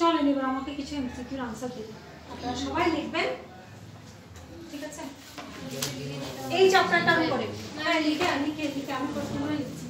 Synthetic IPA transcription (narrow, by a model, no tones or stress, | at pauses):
ɔlenebaɾamakekit͡ɕʰuemt̪ʰik̪uɾansad̪e | apnaaʃɔbajlekʰben | ʈʰikat͡ɕʰe | ejt͡ɕap̚ʈaɾʈamikɔɾealiɡeamikelikeamipɾosʰnaɦaelekʰt͡ɕʰi